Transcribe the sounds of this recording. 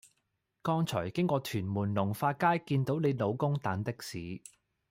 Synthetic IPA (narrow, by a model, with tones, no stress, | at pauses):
kɔː˥ŋt͡sʰɔː˨˩jkɪ˥ŋkʷɔː˧t̪ʰyː˨˩nmuː˨˩nlʊ˨˩ŋfaː˧t̚kaː˥jkiː˧nt̪o˨˥wne˨˧jlo˨˧wkʊ˥ŋt̪aː˨˥nt̪ɪ˥k̚siː˨˧